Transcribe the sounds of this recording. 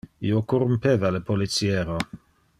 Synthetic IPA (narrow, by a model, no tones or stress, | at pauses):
iokorumpevalepolit̪sjeːɾo